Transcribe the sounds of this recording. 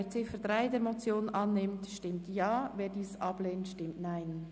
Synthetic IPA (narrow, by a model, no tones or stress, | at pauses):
eɾt͡sɪfədʁaɪdeːɾmot͡sjoːnʔɑnːɪmtʃtɪmtjɑːveːɾdiːsʔɑb̥leːntʃtɪmtnaɪn